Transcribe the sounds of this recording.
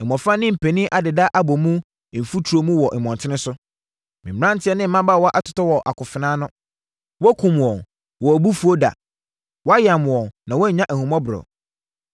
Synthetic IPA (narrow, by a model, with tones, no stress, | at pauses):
ɛ˨mɔ̃˨fɾã˦nɪ̃˦m̩˨pʰe˨nĩ˦ʔa˨dɪ˨da˦ʔa˦bɔ˨mũ˦˨ | m̩˨fu˦tʰu˨o˨mũ˦wɔ˨ʔɛ˨mɔ̃˨ntʰɪ˦nɪ̃˦sʊ˦ | mĩ˨m˨ɾã˦n˦tʰɪ˦ɛ˦nɪ̃˦m̩˦mã˦ba˦˨wɔ˦ʔa˦˨tʰʊ̥˨tɔ˦wɔ˨ʔa̰˨kʰʊ˨fɪ˨nãː˦nʊ̃˦ | wɔ˦kʰũ˨m˨ɔ̃˨ | wɔ˨bu˦fu˨˦o˦da̰˨ | wɔ˦a˦jã˨m̃˨ɔ˨nã˨wɔ˦ɲ̩˨ɲã˦ʔæ˨hũ˨mɔ̃˦bɪ˨ɾɔ̰˨